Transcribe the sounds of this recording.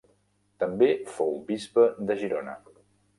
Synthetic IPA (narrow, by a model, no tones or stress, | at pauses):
t̪əmbefowbizβəd̪əʒiɾonə̰